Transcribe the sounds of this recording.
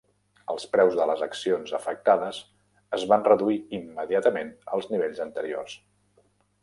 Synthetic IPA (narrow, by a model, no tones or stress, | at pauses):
əlˠspɾɛwzðələzəksionzəfək̚t̪aðəs | əzβanrəðuiimːəðiat̪əmenəlˠzniβ̞eʎzənt̪əɾio̰rs